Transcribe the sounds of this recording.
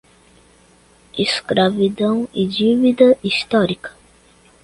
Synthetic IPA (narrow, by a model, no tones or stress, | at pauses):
iskɾavid̪ɐ̃w̃id͡ʒivid̪ɐist̪ɔɾikɐ̥